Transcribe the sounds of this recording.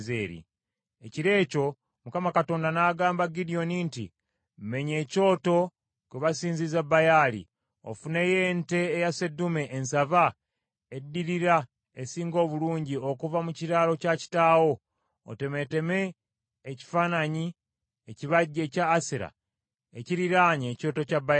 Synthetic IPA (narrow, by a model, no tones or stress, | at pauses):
zḛːɾḭ | eciɾe̞ːco̞ | mukamakato̞ːndanaːɡaːmbaɡidio̞nintḭ | mme̞ɲe̞ːco̞ːto̞ | kweβasiːnzizabajaːlḭ | o̰fune̞jeːnte̞ːjase̞dːume̞ʔːnsava | edːiɾiɾa | esiːŋɡo̞ːβuluːɲɟio̞kuvamuciɾaːlo̞caci̥taːwo̞̰ː | te̞me̞te̞me̞ː | ci̥faːnaɲi | eciβaɟːe̞caːsiɾa̰ | ḛciɾiɾaːɲeːco̞ːto̞cabaja